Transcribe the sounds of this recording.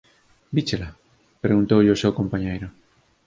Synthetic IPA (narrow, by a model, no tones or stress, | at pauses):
bit͡ʃela | pɾeɣunt̪owʎeosewkõmpaɲejɾʊ